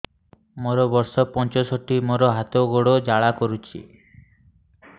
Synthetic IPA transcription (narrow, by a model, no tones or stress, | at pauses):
moɾɔbɔɾsɔpɔnt͡ʃɔsɔʈimoɾɔɦat̪oɡoɽod͡ʒaɭakɔɾut͡ʃʰḭ